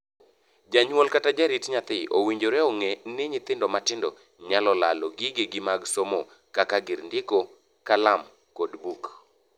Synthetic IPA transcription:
d͡ʒaɲwɔlkatad͡ʒaɾitɲat̪ɪʔowiɲd͡ʒoɾɛoŋenɪɲɪt̪ɪndɔmatɪndɔ | ɲalɔla̰lɔɡɪɡeɡɪmaɡsomo | kakaɡɪɾndɪko | kalam | kodbuk

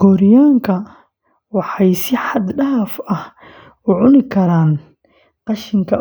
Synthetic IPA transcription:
ɡ̥ɔɾɪjaːŋkʰɐ | wɑħɑjsɪħɑd̪ɖɐfɐh | ʊʕʊnɪkʰɐɾaːn | qɑʃɪŋkʰɐ

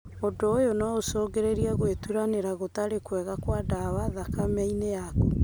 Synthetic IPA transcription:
odoːjonaosɔːɡeɾeɾiaɣwetuɾaneɾaɣotaɾekwɛɣakwadawaðakamɛinejaku

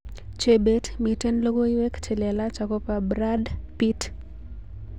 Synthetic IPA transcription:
t͡ʃebetmitɛnloɡoiwɛkt͡ʃelɛlat͡ʃakopabɾadpit

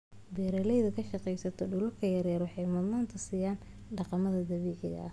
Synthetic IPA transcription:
bɛːɾɐlɛjðɐkʰɐʃɑqɛjsɐt̪ʰɔɖʊlʊrkʰɐjɐɾjɐɾwɑħɑjmʊdmaːnt̪ʰɐsiːjaːn | ɖɑqɑmɐðɐd̪ɐβɛːʕɪɣɐ̰ʔɐ

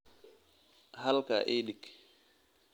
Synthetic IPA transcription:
halka̰ʔeɗik

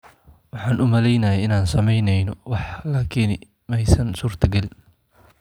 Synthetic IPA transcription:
wɑħɑːnʔʊmɐlɛjnɐjɛɪnaːnsɐmɛjnɛjnɔwɑħlɐkʰiːn | mɛjsɐnsuːrt̪ʰɐɡɐlɪn

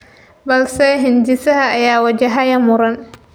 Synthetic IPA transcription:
bɐlsɛɦɪnd͡ʒɪsɐɦɐɐjaːwɐd͡ʒɐɦɐjɐmʊɾɐn

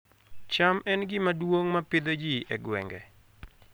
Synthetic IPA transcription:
t͡ʃamɛnɡɪmadwoŋmapɪd̪od͡ʒiʔɛɡwɛ̰ŋɡɛ̰

